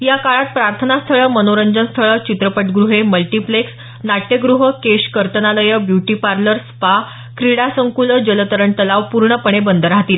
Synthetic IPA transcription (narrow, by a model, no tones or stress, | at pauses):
jakaɭat̪̚pɾaɾt̪ʰənast̪ʰəɭəmənoɾəɲd͡ʑənst̪ʰəɭət͡ɕit̪ɾəpəʈɡɾuɦeməlʈipleks | naʈjəɡɾuɦəkeɕkəɾt̪ənaləjəbjuʈipaɾləɾspa | kɾiɽasəŋkuləd͡ʑələt̪əɾəɳt̪əlaʋpuɾɳəpəɳ̃ebənd̪əɾɦat̪iːl